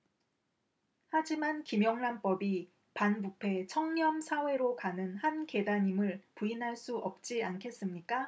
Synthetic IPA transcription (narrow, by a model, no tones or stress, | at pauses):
had͡ʑimankimjʌŋnanp͈ʌbi | panbupʰe̞t͡ɕʰʌŋɲʌmsʰawe̞ɾokanɯnhanke̞daɲimɯɭpuinɦaɭs͈uʔʌp̚t͡ɕ͈iankʰe̞s͈ɯmɲik͈a